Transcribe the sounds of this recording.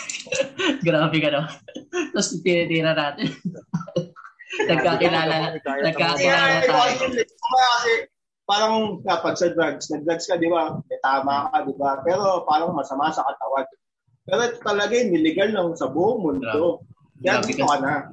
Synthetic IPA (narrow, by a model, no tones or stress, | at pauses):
ɡɾaːbɪkɐnot̪osp̪ɪnɪt̪iːɾɐnaːt̪ɪ | nɐɡkaːkɪlaːlɐnɐɡkːakɪaɛt̪oɐŋjʊŋlɪɐmakɐsɛ | paːɾɐŋkɐpɐɡ̚sɐd̪ɾaɡsnɐd̪ɾɐɡskɐd̪ɪbamɛt̪aːmakɐd̪ɪbapɛːɾo̞paːɾɐŋmɐsɐmasɐkɐt̪ɐwan | pɛːɾoʔɛt̪ot̪ɐlɐɡanɪlɪɡalnɐŋsɐbuːʔoŋmʊnd̪o̞ | d͡ʒasɪtokɐnɐ